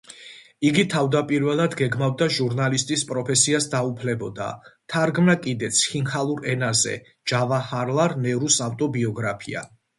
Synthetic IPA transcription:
iɡit̪ʰavd̪apʼiɾvɛlˠad̪ɡɛɡmavd̪aʒuɾnalist̪ʼispʼɾɔpʰɛsiasd̪aupʰlɛbɔd̪a̰t̪ʰaɾɡmnakʼid̪ɛt̪sʰχinhalˠuɾɛnazɛ̰ | d͡ʒavahaɾlˠaɾnɛɾusaft̪ʼɔbiɔɡɾapʰia̰

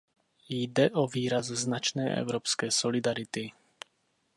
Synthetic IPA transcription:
jd̪ɛʔɔʋiːɾazznat͡ʃnɛːʔɛ̰ʊɾɔːpskɛjsɔlid̪aɾit̪i

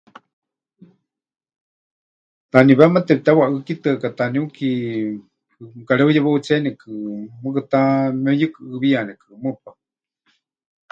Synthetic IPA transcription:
t̪aniβɛmat̪ɛpit̪awaʔɨkit̪ɨakat̪aniuki | ɨkaɾeujaβaut͡sɛnikɨmɨk̬ɨt̪amojɨkɨʔːβianɛkʰɨmɨpa

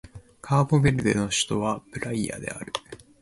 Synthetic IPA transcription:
kʰaːbobe̞ɾɯ̟d̪e̞no̞ɕi̥t̪o̞βabɯ̟ɾaia̰d̪e̞̰a̰ɾɯ̟

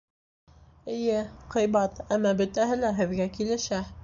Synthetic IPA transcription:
ɘ̆jɘqɤ̆jbɑt̪æmːɑbɵ̆t̪æɦɘlæɦɘ̆ðɡækilɘ̆ʃæ

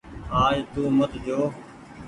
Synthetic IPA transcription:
ɦaːjt̪uːmət̪ɦjoː

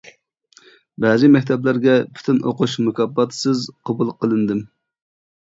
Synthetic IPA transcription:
bɛzɨmɛkʲt̪ʰɛblæɾɡʲɛpʰy̥t̪ʰɪnoquʃmukʰʲɑbːɑt̪ʰsɨzqʰɑbulˠqəlˠɨnd̪ɨm

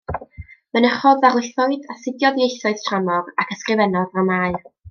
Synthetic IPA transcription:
mənəχɔðvarlˠɪθɔɨdasɪdjɔðiejθɔɨð̥tʰramɔrakʰəskrɨvɛnɔðamaːɨr

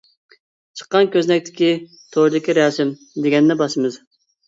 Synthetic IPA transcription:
t͡ʃʰə̥qːɑnkʲʰøznɛk̚ʲt̪ʰɪ̥kʲi | t̪ʰoɾd̪ɪkʲiɾɛsɪm | d̪eɡʲɛnd̪ɪbɑʃɨmɨz

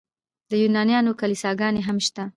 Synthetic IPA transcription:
d̪əjunɑnjɑnokalisɑɡɑneɦamʃt̪a

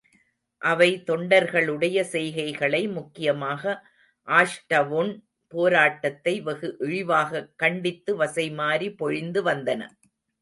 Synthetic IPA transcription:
ʔɐʋɐɪt̪ɔɳɖɐɾɣɐɭɯɽɐjɐsɛjɣɐɪɣɐɭɐɪmʊkːɪjɐmaːɣɐ | ʔaːʂʈɐʋʊn | poːɾaːʈːɐt̪ːɐɪʋɐɣɯʔɪɻɪʋaːɣɐkːɐɳɖɪt̪ːɯʋɐsɐɪmaːɾipɔɻɪnd̪ɯʋɐnd̪ɐnɐ̰

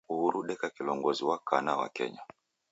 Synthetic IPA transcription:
uhuɾuɗɛkakilɔŋɡɔziwakʰanawa̰kɛ̰ɲa

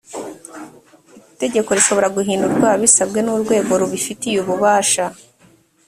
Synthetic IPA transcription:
ite̞ɟe̞ko̞ɾiʃo̞βo̞ɾaɡuɦiːnduɾɡwaːβisabɡe̞nuːɾɡwe̞ːɡo̞ɾuβifitijuβuβaːʃa

